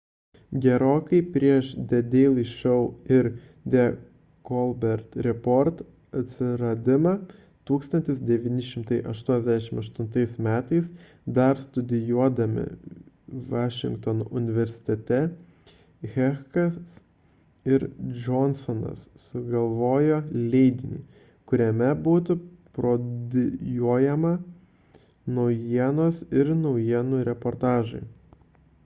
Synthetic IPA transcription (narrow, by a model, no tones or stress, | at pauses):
ɡʲɛɾoːkɐɪpʲɾʲiɛʃd̪ʲɛd̪ʲeːlˠiʃɛʊɪɾ | d̪ʲɛ | kɔlˠbʲɛɾt̪ɾʲɛpɔɾt̪ | ɐt̪ʲsʲɪɾɐd̪ʲɪmɐ | t̪uːkst̪ɐnt̪ʲɪsd̪ʲɛʋʲiːnʲɪʃʲɪmt̪ɐɪʔɐʃt̪uɔnʲɛzd̪ʲæʃʲɪmɐʃt̪ʊnt̪ɐɪsmʲæːt̪ɐɪs | d̪ɐɾst̪ʊd̪ʲɪjuɔd̪ɐmʲɪ̰ | ʋɑːʃʲɪ̰ŋkt̪oːno̰ːʔʊnʲɪʋʲɛɾʲsʲɪ̥t̪ʲɛt̪ʲɛ | ɣʲɛxkɐs | ɪɾd͡ʒɔnsɔnɐ̰ssʊɡɐlˠʋoːjoːlʲɛɪd̪ʲɪnʲḭː | kʊɾʲɛmʲɛbuːt̪ʊpɾoːd̪ʲɪjuɔjɛmɐ | nɒʊjiɛnoːsɪɾnɒʊjiɛnʊɾʲɛpoːɾt̪ɑːʒɐ̰ɪ